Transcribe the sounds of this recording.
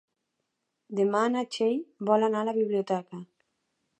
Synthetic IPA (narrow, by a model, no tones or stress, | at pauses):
d̪emanat͡ʃejbɔlanalaβiβliot̪ɛka